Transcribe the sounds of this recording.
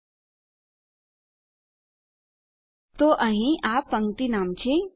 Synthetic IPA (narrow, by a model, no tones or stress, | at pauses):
t̪oʔɐ̃ɦĩʔaːpɐ̃ŋɡt̪inaːmt͡ɕʰe